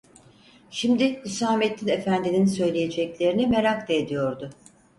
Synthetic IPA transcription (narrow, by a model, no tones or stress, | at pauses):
ʃimd̪ɪysaːmet̪ʰːine̞fænd̪ininisø̞jlʲeje̞d͡ʒɛclʲe̞ɾinime̞ɾakt̪ʰeːd̪ijoɾd̪ʊ